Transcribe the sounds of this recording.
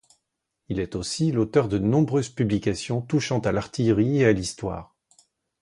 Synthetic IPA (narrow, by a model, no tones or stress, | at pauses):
ilɛt̪osilot̪œʁd̪ənɔ̃bʁøzpyblikʲasjɔ̃t̪uʃɑ̃t̪alaʁt̪ijʁiealist̪wa̰ːʁ